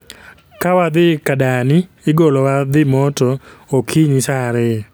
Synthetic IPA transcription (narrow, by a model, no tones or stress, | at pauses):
kawad̪ɪkadanɪ | ɪɡolɔwad̪ɪmɔtɔokʰiɲisaɾɪ